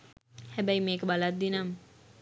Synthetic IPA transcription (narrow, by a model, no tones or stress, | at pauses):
hæbæjmeːkəbalat̪̚d̪inamə